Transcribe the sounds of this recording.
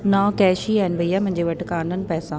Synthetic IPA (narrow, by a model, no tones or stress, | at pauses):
nãːkɛːʃiaːɦɪnɪbʱɐiːaːmʊ̃ɦɪ̃ɲd͡ʑeːʋɐʈɪkaːnənɪ̆pɛːsãː